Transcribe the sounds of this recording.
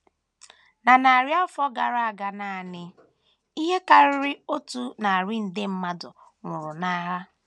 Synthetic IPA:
na˨na˨a˨ɾja˦fɔ˦ɡa˨ɾa˦a˨ɡa˨na˨a˨nɪ˦ | i˦ɦe˦ka˨ɾɪ˦ɾɪ˦o˦tu˦na˨a˨ɾɪ˦n̩˨dɪ˦m̩˦ma˦dʊ˨ | ŋʷʊ˨ɾʊ˨na˦ɦa˦

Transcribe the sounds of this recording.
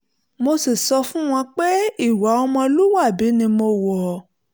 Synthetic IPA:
mo˧si˨sɔ˧fũ˦w̃ɔ̃˧k͡pe˦i˦˨wa˨˦ɔ˧mɔ̃˧lu˦wa˦˨bi˨˦nĩ˧mo˧˨wɔ˨

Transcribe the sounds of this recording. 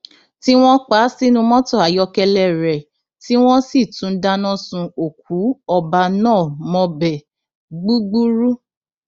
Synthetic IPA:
ti˦w̃ɔ̃˦k͡pa˦si˦nũ˧mɔ̃˦tɔ˦˨a˨jɔ˧kɛ˧lɛ˦˨ɾɛ˨ | ti˦w̃ɔ̃˦si˦˨tũ˨˦da˦nɔ̃˦sũ˧o˨k̚u˨˦ɔ˧ba˧nãː˦˨mɔ̃˧bɛ˨ | ɡ͡bu˦ɡ͡bu˦ɾu˦

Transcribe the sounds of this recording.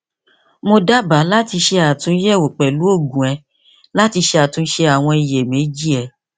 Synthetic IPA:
mo˧da˦ba˨˦la˦ti˧ʃe˧a˨tũ˧˦jɛ˦˨o˨k͡pɛ˨lu˨˦o˦˨ɡũ˨ɛ˧˦ | la˦ti˧ʃe˧a˨tũ˧˦ʃe˧a˨w̃ɔ̃˧i˨je˨mẽ˨˦d͡ʒi˦˨ɛ˧˦

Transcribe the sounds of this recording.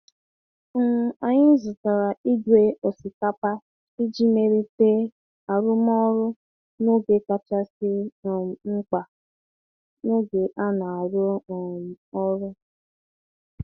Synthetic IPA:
a˨ɲɪ˦n̩˦zʊ˨ta˨ɾa˨i˦dwe˦o˨si˨ka˦pa˦ | i˦d͡ʒi˦me˨ɾi˦te˦ | a˨ɾʊ˦m˦ɔ˦ɾʊ˦ | no˦ɡe˨ka˨t͡ʃa˦sɪ˦˨ŋ͡m̩˦k͡pa˨ | no˦ɡe˨ʔa˦na˨a˨ɾʊ˦˨ | ɔ˦ɾʊ˦

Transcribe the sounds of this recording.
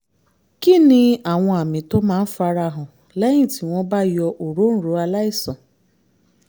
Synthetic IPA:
kɪ˦nɪ˦a˨wʷɔ̃˦a˨mɪ̃˨to˦mãː˦fa˧ɾa˧ɦʊ˨ | lɛ˦ɲĩ˦˨ti˨wʷɔ̃˦ba˦jɔ˧ʔo˨ɾo˦n̩˦ɾo˨˦a˧la˦ɪ˦sɔ̃˨

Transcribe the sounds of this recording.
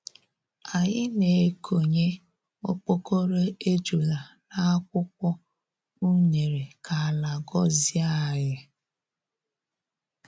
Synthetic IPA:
a˨ɲɪ˦ne˨˦kʰo˨ɲe˦ | o̰˦k͡po˦ko˦ɾe˦e˦d͡ʒu˨la˨na˦a˦kʷʊ˦k̚ʷɔ˦ | u˦ɲe˨ɾe˨kʰa˨a˨la˨ɡɔ˦zi˦a˦˨ja˦

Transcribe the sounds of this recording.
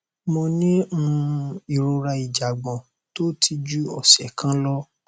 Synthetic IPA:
mɔ̃˧nĩ˦ũ˧i˨ɾo˧ɾa˧i˨d͡ʒa˨ɡ͡bɔ̃˨ | to˦tʰi˧d͡ʒu˦ɔ˦˨sɛ˨kã˦lɔ˦

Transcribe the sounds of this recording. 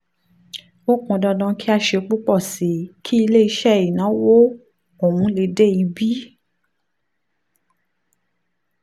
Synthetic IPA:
o˦kɔ̃˧dɔ˧dã˧ki˦a˧ʃe˧k͡pu˦k͡pɔ˦˨se˨kʰi˦i˧le˦i˧˦ʃɛ˦˨i˨nã˨˦wo˦ | o˨mũ˨˦le˨˦de˦˨i˨˧˦bi˦

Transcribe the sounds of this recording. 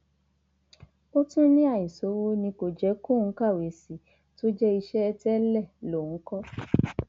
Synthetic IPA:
o˦tĩ˦nĩ˦a˦˨i˨so˨˦wo˦nĩ˧ko˨d͡ʒɛ˨˦ku˦˨ŋ̩˨˦ka˦˨we˨si˨ | to˦d͡ʒɛ˦i˧ʃɛ˦ɛ˧tɛ˦lɛ˦˨lõ˨˦kɔ˦

